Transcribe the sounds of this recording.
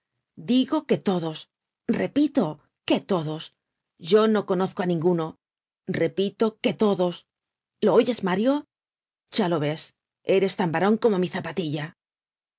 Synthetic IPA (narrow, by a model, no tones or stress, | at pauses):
d̪iɣo̞ke̞t̪o̞ðo̞s | re̞pit̪o̞ | ke̞t̪o̞ðo̞s | ʝo̞no̞ko̞no̞θkoanĩŋɡuno̞ | re̞pit̪o̞ke̞t̪o̞ðo̞s | lo̞oʝe̞zmaɾjo̞ | ʝalo̞βe̞s | e̞ɾe̞st̪ambaɾo̞ŋkomo̞miθapat̪iʎa